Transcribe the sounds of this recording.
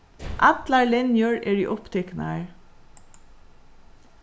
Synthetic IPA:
ʔɑt̪laɹlɪnjʊɹɛɹḭʔʊpt̪ʰɛkna̰əɹ

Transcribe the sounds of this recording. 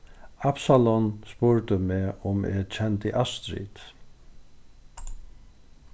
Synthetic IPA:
apsalɔnspʊɹt̪əmɛːʊmɛ̰t͡ʃʰɛnt̪iʔast̪ɾḭt̪

